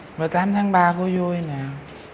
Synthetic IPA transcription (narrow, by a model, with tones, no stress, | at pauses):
vaː˨˩t̪aː˨˦mt̪ʰaː˨˦ŋɓaː˧ko˧˦zo˧jnaː˨˩